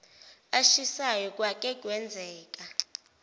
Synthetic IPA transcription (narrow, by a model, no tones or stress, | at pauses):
aʃisajɔk̬ʼwak̬ʼɛk̬ʼwɛnd͡zʱɛːk̬ʼa